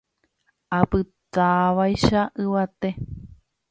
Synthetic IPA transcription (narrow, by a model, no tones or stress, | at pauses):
apɨt̪aʋajʃaʔɨʋat̪e